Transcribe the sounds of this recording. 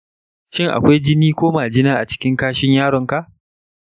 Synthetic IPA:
ʃɪ˦ŋʔa̰˨kʷa˦jd͡ʒɪ˦niː˦kʷoː˦maː˨d͡ʒɪ˦naː˦ʔa˨t͡ʃɪ̥˦kʲɪ˦ŋkaː˦ʃɪ˦ɲjaː˦ɽɔ˨ŋka˨ʔ

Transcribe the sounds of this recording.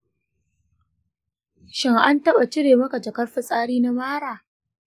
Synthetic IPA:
ʃɪ˦ŋʔa˦ntɐ˦ɓa˨t͡ʃɪ˦ɽeː˨mɐ˦ka˨d͡ʒɐ˨kɐ˦rɸɪ˦sʼaː˦ɽiː˦na˦maː˦ɽaː˨

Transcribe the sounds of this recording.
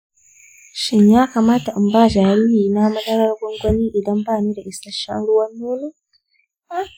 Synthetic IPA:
ʃɪ˦˨ɲjaː˦ka˨maː˦ta˨ʔmbaː˦d͡ʒaː˨ɽi˦hiː˨na˦mɐ˦dɐ˦ɾɐ˦rɡʷɔ˦ŋɡʷɐ˦niː˦ʔɪ˨dɐ˦mbaː˦˨niː˦da˨ʔɪ˨sɐ˦ʃɐ̰˦nɽʊ˦wɐ˦nːuː˦ne˦

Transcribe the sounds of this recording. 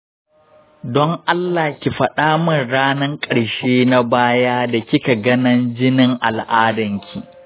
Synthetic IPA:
dɔ˦ŋʔa˦lːaː˨kʲi˨ɸɐ˨ɗaː˦mɪ˦˨nɽaː˦nɐ˦ŋkʼɐ˨ɽʃeː˦na˦baː˦jaː˦da˨kʲɪ˦ka˨ɡɐ˦nɐ˦nd͡ʒɪ˦nɪ˦ŋʔa˨lʔaː˦dɐ˨ŋkʲʰi˨

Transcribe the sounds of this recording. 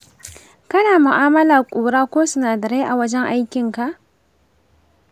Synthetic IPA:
kɐ˦naː˨mʊ˨ʔaː˦mɐ˦laː˨kʷʼuː˨ɾaː˦kʷoː˦sʊ˦naː˨dɐ˨ɽeː˦ʔa˨wɐ˦d͡ʒɛ˦ŋʔa˦jkʲɪ˨ŋka˨ʔ

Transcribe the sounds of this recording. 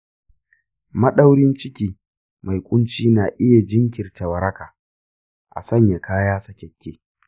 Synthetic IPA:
mɐ˦ɗa˦wɽɪ˦nt͡ʃɪ˦kʲiː˨ | ma˨jkʷʼʊ˦nt͡ʃiː˦naː˨ʔɪ˦ja˨d͡ʒɪ˦ŋkʲɪ˨rtɐ˨wɐ˨ɾɐ˦kaː˨ | ʔa̰˨sɐ˦˨ɲja˨kʰaː˦jaː˦sɐ˦kʲɛ˨kʲːeː˦

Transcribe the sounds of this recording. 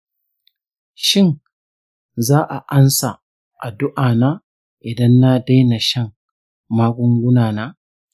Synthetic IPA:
ʃɪ˦˨n | zaː˦ʔa˨ʔa˦nsa˨ | ʔa˨dʊ˦ʔaː˨naː˦ | ʔɪ˨dɐ˦nːa˦da˦jna˨ʃɐ˦ŋ | maː˦ɡʷʊ˦ŋɡʷʊ˦naː˨naː˦

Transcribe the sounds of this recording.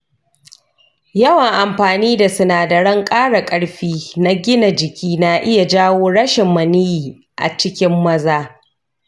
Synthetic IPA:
jɐ˦wɐ˨ŋʔa˨mɸaː˨niː˦da˨sʊ˦naː˨da˨ɽɐ˦ŋkʼaː˦ɽa˨kʼɐ˦ɽɸiː˦na˦ɡʲɪ˦na˨d͡ʒɪ˨kʲʰiː˦na˨ʔɪ˦ja˨d͡ʒaː˦woː˦ɽɐ˦ʃɪ˨mːɐ˨nɪ˦jiː˨ | ʔa̰˨t͡ʃɪ˦kʲɪ˦mːɐ˦zaː˦

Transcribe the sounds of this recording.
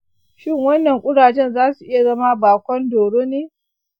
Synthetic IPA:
ʃɪ˦ŋwɐ˦nːɐ˨ŋkʷʼʊ˦ɽaː˨t͡ʃɛ˦nzaː˦su˨ʔɪ˦ja˨zɐ˦ma˦baː˨kʷɔ˦ndoː˨ɽoː˦neː˦

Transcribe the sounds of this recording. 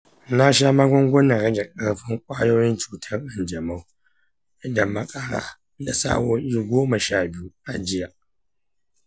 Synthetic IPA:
na˦ʃaː˦ma˦ɡʷɔ˦ŋɡʷɔ˦nɐ˨ɾɐ˦ɡɛ˨kʼɐ˦ɽɸɪ˦ŋkʷʼaː˦joː˦jɪ˦nt͡ʃu̥ː˨tʰɐ˦rʔɐ˨nd͡ʒɐ˨ma˦w | ʔɪ˦dɐ˨mːɐ˦kʼa˦ɽa̰ː˦ | da˨sa̰ː˦woː˦ʔi˦ɡʷoː˦mɐ˨ʃaː˦bɪ˦ju˦ʔa˨d͡ʒɪ˦ja˨ʔ

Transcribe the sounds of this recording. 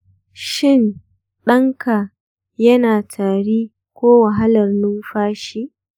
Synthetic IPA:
ʃɪ˦˨n | ɗɐ˦ŋkʰa˨ | jɐ˦naː˨tʰaː˨ɽiː˦ | kʷoː˦wɐ˨ɦa˦lɐ˨rnuː˦ɸaː˦ʃi˦ʔ

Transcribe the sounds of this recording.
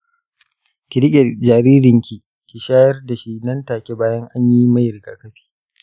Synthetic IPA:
kʲɪ˨ɽɪ˦kʲʼe˨d͡ʒaː˨ɾiː˦ɾɪ˨ŋkʲi˨ | kʲi˨ʃaː˦jɐ˦rda˨ʃi˦nɐ˦ntaː˨kʲe˦baː˦jɐ˦ŋʔa˦ɲji˦mɐ˦jɾɡa̰ː˨kɐ˦ɸi̥ː˦

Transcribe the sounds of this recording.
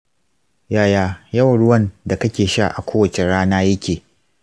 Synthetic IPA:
jaː˦˨jaː˦˨jɐ˦wɐ˨ɽʊ˦wɐ˦nda˨kɐ˦kʲeː˨ʃa˦˨ʔa˨kʷoː˦wɐ˨t͡ʃe˨ɽaː˦naː˦jɐ˦kʲeː˨

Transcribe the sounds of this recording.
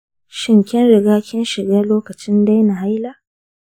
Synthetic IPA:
ʃɪ˦ŋkʲɪ˦nɽɪ˨ɡaː˦kʲɪ˦nʃɪ˨ɡaː˦loː˦kɐ˨t͡ʃɪ˦nda˦jna˨ɦa˦jla˦ʔ

